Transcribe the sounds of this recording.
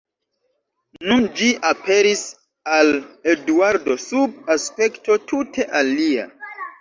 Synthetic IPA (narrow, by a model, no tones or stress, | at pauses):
nund͡ʒiʔape̞ɾis | aleduwaɾdo̞sub̚aspe̞kto̞tutʰe̞ʔalia̰